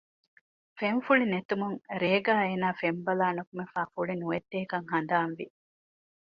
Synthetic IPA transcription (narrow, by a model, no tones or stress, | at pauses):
feɱfuɭinet̪umuŋɾeːɡaːeːnaːfembɐlaːnukumefaːfuɭinuʋed̪ːeːkɐŋhɐnd̪aːnʋi